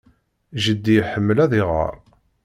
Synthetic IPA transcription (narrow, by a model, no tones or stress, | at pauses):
ʒəd̪ːijħəmːəlæðɪʁə̰ɾˤ